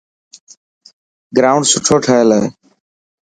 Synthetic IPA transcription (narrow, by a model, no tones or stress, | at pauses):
ɡɾaːʊ̃ɳɖsʊʈʰoːʈʰəeːlae